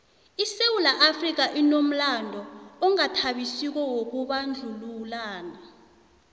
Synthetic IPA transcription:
isewulaʔafrik̬aʔinom̩landʱɔɔŋatʰaɓisik̬ɔwok̬uɓand͡ɮʱululaːna

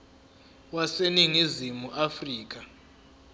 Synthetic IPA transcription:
waseniŋizimuʔafriːk̬ʼa

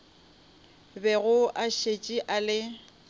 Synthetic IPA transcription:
bɛɣʊʔaʃet͡ʃʼiʔalɪ

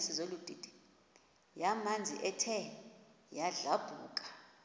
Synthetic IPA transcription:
sizolud̥ʱid̥ʱi̥ | jamand͡zʱḭʔɛtʰɛ | jaɮab̥ʱuːkʼḁ

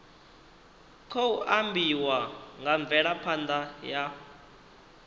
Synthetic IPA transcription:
kʰouʔambiwaŋɡaɱb̪vɛɺapʰand̪aja

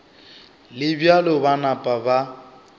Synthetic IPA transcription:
lɪbjalɔbanapʼaba

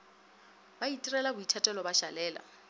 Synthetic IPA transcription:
baitʼirɛlabʊitʰatʼɛlɔbaʃalɛːla̰

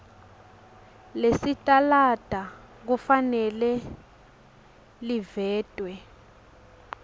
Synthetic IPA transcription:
lesitʼalad̥ʱa | k̬ufanɛlɛ | livɛːd̥ʼʱwɛ

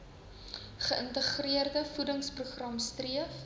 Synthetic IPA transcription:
χəʔəntəχriərdəfudəŋspruχrɐmstriəf

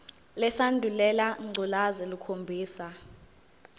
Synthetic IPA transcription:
lɛsandʱulɛlaŋ͡ǀʱulazɛlukʰombʱiːsa

